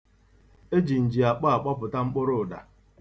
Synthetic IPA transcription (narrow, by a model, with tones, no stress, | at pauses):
e˦d͡ʒi˨n̩˨d͡ʒi˨a˨k͡pa˦a˨k͡pɔ˦pʊ˨ta˦ŋ͡m̩˦k͡pʊ˦ɾʊ˦˨da̰˨